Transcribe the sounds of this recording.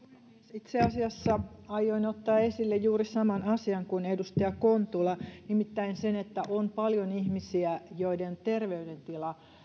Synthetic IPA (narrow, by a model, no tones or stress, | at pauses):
sit̪seɑsiɑsːɑɑjːoinot̪ːɑːesilːejjuːrisɑmɑnɑsiɑŋkunedust̪ejɑkont̪ulɑnimit̪ːæinsenet̪ːæʔompɑljonihmisiæjoident̪erʋeydent̪ilɑ